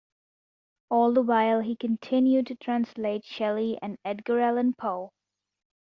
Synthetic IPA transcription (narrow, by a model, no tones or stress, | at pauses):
ɔːlˠd̪əwaɪlˠɦikɨ̃ntʰɪ̃njud̚tʰɨtʰɹ̥æ̃nsleɪtʃɛlˠiʔɨ̰̃nɛdɡəɹɛlˠə̃npʰoʊ